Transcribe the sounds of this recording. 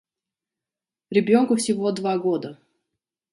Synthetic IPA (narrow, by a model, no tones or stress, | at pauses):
ɾʲɪbʲonkʊfsʲɪvod̪vaɡod̪ə